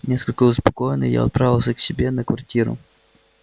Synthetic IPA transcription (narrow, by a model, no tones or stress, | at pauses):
nʲeskəlʲkəʊspɐ̥kojɪnə̰ja̰ɐ̰t̪̚pɾavʲɪlˠsʲəksʲɪbʲenəkvɐrtʲiɾʊ̰